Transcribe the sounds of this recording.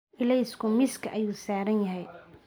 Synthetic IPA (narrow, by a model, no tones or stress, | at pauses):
ʔɪlɛjskʰʊmɪskʰɐʔɐjuːsaːɾɐnjɐɦɛj